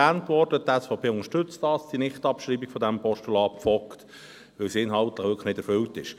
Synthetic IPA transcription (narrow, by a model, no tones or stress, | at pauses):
æːntʋɔɾdətɛsfaʊpʰeːʊnəʃtʏt͡stɑːsd̥inɪχtɑpʃɾiːbiɡ̥fɔdæmpʰɔʃtulɑːpfɔkt | ʋɪlsɪnɦɑltləχʋʏkəχnɪdɛɾfʏltɪʃ